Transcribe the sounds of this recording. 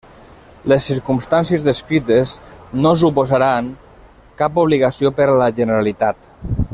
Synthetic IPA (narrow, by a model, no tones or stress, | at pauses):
lesːiɾkumst̪ansjiezðeskɾit̪eznos̬upozaɾaŋ | kapuβ̞liɣasiopəɾlaʒənəɾalit̪at̪